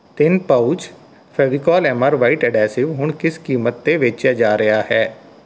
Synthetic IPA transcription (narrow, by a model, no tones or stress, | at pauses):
t̪ɪnpəut͡ʃ | fʰɛːʋiːkɔːlɛːməɾʋaːiʈɛɖɛːsɪʋɦʊɳkɪskiːmət̪̚d̪eːʋɪt͡ʃad͡ʒaːɾəjaːhɛː